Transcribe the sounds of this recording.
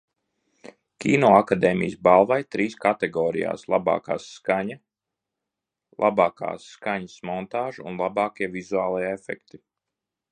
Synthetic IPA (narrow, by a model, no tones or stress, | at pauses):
kʲiːnɔːakad̪ɛːmḭjsbalˠvajt̪ɾiːskat̪ɛɡɔːɾḭja̰ːslˠa̰bɑ̰ːka̰ːsːkaɲɐ | lˠʔabɑːka̰ːsːkaɲəsmɔnt̪aːʒuṵnlˠabɑːkiɛvizuaːlˠajɛefɛ̰kt̪i